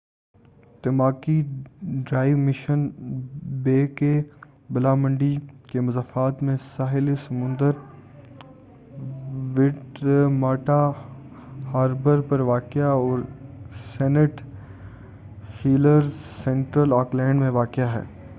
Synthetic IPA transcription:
t̪ɪmaːkiɖɾaːɪʋmɪʃən | beːke | bɪlaːmə̃ɳɖikemʊzaːfaːt̪mẽsaːɦɪlisɐmʊ̃nd̪əɾ | ʋɪʈmaːʈa | haːɾbəɾpɐɾʋaːkjaɔːɾsɛːnəʈ | hiːləɾsɛ̃ːɳʈɾəlaːklɛ̃ːɳɖmẽʋaːkɪjaɦɛ̰ː

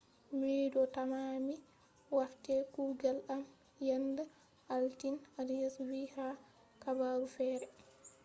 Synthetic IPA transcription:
midɔtamaːmi | waɾtɛkuːɡalʔam | janda | ʔaltinadijaswiha | kabaːɾufɛːɾɛ

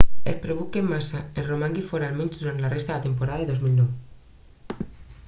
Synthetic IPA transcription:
ehpɾeβukemːasaeromãŋɡifoɾalmensd̪uɾant̪larest̪aðat̪e̞mpoɾaðaðeðo̞zmilnowe

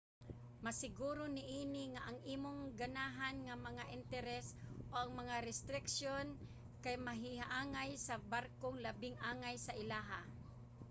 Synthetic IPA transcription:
masɪɡuːɾonɪʔiːnɪŋaʔaŋʔiːmoŋɡanaːɦanŋamɐŋaʔɪnt̪ɛɾɛsʔoʔaŋmɐŋaɾɛst̪ɾɪkʃjon | kajmaɦɪhaʔaːŋajsabaɾkoŋlabɪŋʔaːŋajsaʔɪlaːɦa

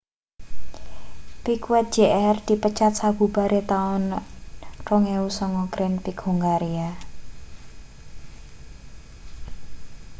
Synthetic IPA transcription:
pikwɛt̪̚d͡ʒ̥eʔɛrd̪̥i̤pət͡ʃat̪̚sab̥ubaɾʔet̪aʊn | rɔŋeusɔŋɔkɾɪnpikhuŋɡaɾia

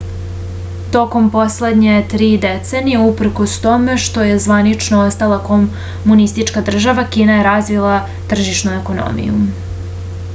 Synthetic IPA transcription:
t̪o̞ko̞mpo̞sle̞d̪ɲe̞t̪ɾiːd̪et̪se̞nijeupr̩ko̞st̪o̞me̞ʃt̪o̞je̞zʋanit͡ʃnoost̪alˠako | munist̪it͡ʃkad̪r̩ʒaʋakiːnaje̞ɾazʋilˠa | t̪r̩ʒiʃnue̞ko̞no̰mḭjṵ

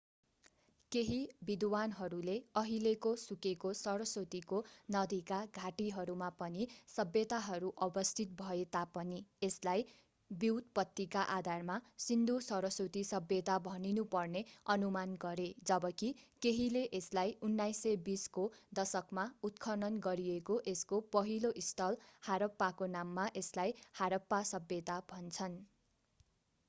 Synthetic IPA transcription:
keɦibid̪wanɦʌɾuleʌɦilekosukekosʌɾʌsot̪ikonʌd̪ʱikaɡʱaʈiɦʌɾumapʌnisʌbjʌt̪aɦʌɾuʔʌbʌst̪ʰit̪̚bʱʌet̪apʌnieslaj | biwt̪pʌt̪ːikaʔad̪ʱarmasind̪ʱusʌɾʌsot̪isʌbjʌt̪abʱʌninupʌrneʌnumanɡʌɾed͡zʌbʌkikeɦileʔeslajunːajsebiskod̪ʌsʌkmaut̪kʰʌnʌnɡʌɾiekoʔeskopʌɦiloʔist̪ʰʌlhaɾʌpːakonamːaʔeslajhaɾʌpːasʌbjʌt̪abʱʌnt͡sʰʌn

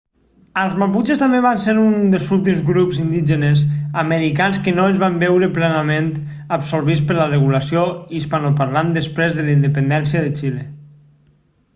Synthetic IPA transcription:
əlˠzmaput͡ʃest̪ambeβanseɾund̪əlˠzulˠt̪̬imzɣɾupzind̪iʒenezaməɾikanskənoənzβambɛwɾəplɛnamẽnt̪ | əpsoɾβit͡spəɾlərəɣuləsjoispanopaɾland̪əspɾezðəlind̪əpənd̪ɛnsiəðet͡ʃile

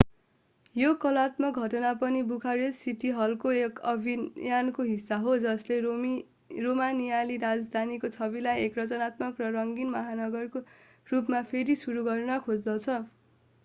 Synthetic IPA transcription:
jokʌlat̪mʌk̚ɡʱʌʈʌnapʌnibukʰaɾessiʈiɦʌlkoekʌbʱijankoɦisːaɦod͡zʌsle | romanijaliɾad͡zd̪ʱanikot͡sʰʌbilajekrʌt͡sʌnat̪̚mʌkrʌrʌŋɡinmʌɦanʌɡʌrko | rupmapʰeɾisuɾuɡʌrnʌkʰod͡zd̪ʌt͡sʰʌ

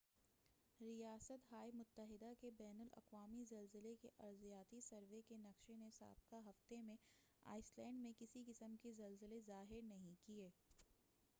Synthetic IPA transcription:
ɾijaːsət̪ɦaːjmʊt̪ːəɦɪd̪akebɛːnəlɐ̰qʋaːmizɐlzɪlekeʔɐɾzijaːt̪isɐɾʋekenɐkʃenesa̰ːb̚kaɦɐft̪emẽ | a̰ːɪslɛ̃ːɳɖmẽkɪsikɪsəmkezɐlzɪlezaːɦɪɾnɐɦĩkieː

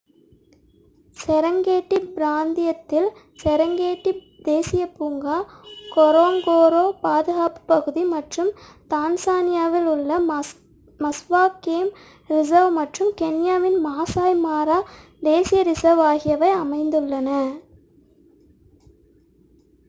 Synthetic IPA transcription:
sɛɾɐŋɡeːʈːibɪɾaːnd̪ɪjɐt̪ːɪl | sɛɾɐŋɡeːʈːi | d̪eːsɪjɐpuːŋɡaːkɔɾoːŋɡoːɾoːpaːðɯɣaːpɯ̥pɐɣɯðimɐʈrɯmt̪aːnsaːnɪjaːʋɪlʊɭːɐ | mɐsʋaːkeːm | ɾɪsɐʋmɐʈrɯmkɛnɪjaːʋɪnmaːsaːjmaːɾaː | d̪eːsɪjɐɾɪsɐʋaːɣɪjɐʋɐɪɐmɐɪnd̪ɯɭːɐnɐ

